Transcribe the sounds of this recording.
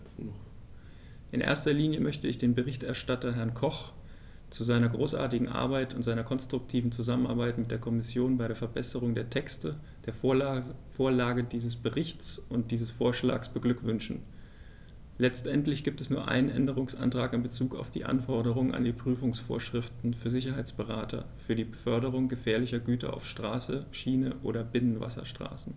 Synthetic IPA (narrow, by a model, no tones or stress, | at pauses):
ʔɪ̰nʔḛːɐstɐliːnjəmœçtəɪçd̥eːnbəʁɪçtɛɐʃtatɐɦɛɐnkʰɔχ | t͡suzaɪnɐɡʁoːsʔa̰ːɐtɪɡŋ̩ʔa̰ɐbaɪtʊntz̥aɪnɐkʰɔnstʁ̥ʊk̚tʰiːvn̩t͡suzaməna̰ɐbaɪtmɪt̚d̥eːɐkʰɔmɪsjoːnbaɪɾeɐfɛɐbɛsəʁʊŋdeːɐtʰɛkstə | d̥eːɐ | foːɐlaːɡədiːzəsb̥əʁɪçt͡sʊnt̚d̥iːzəsfoːɐʃla̰ːksb̥əɡlʏkv̥ʏnʃn̩ | lɛt͡stʔɛntlɪçɡ̥iːp̚tɛsnuːɐʔa̰ɪnənʔɛ̰ndəʁ̞ʊŋsʔa̰ntʁ̥aːkɪmbət͡suːka̰ʊfd̥ḭːʔa̰nfɔɐɾəʁʊŋəna̰ndiːpʁ̥yːfʊŋsfo̰ːɐʃʁ̥ɪftn̩fyːɐzɪçɐɦaɪt͡sb̥əʁaːtʰɐ̰fyːɐdiːbəfœɐdəʁʊŋɡəfɛːɐlɪçɐɡyːtɐ̰ʔa̰ʊfʃtʁ̥aːsəʃiːnəʔo̰ːɾɐbɪnənva̰sɐ̰ʃtʁ̥a̰ːsn̩